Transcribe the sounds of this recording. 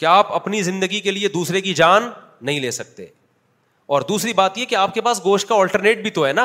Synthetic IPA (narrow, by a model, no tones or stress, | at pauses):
keaːpɐpnizɪ̃nd̪əɡikelied̪uːsɾekid͡ʒaːnː | ɐɦĩleːsɐk̚t̪ḛː | ɔːɾd̪uːsɾibaːt̪jeɦɛkeaːp̚kepaːsɡoːʃʈ̚kaɔːlʈəɾneːʈ̚bʱit̪oɦɛːna